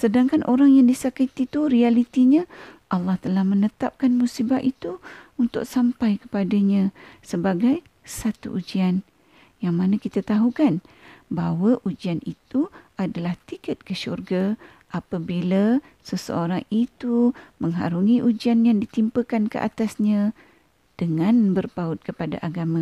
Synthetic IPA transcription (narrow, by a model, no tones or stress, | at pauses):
sədaŋkanʔoɾaŋjaŋdisakət̪it̪uɾialit̪iɲãʔɑlːɑht̪əlahmənət̪ap̚kanmusibait̪uunt̪ʊ̰k̚sampajkə̥padaɲãsəbaɡaj | sat̪ṵʔud͡ʒian | jaŋmanakit̪at̪aɦukanbawəʔud͡ʒianit̪uadalaht̪ikət̪̚kəʃṵrɡa | ʔapabila | səsə̰oɾaŋit̪uməŋɦa̰ɾuŋĩʔud͡ʒianjaŋdit̪impəkankə̰ʔa̰t̪asɲã | d̥əŋãnbərpaut̪̚kəpada̰ʔaɡamã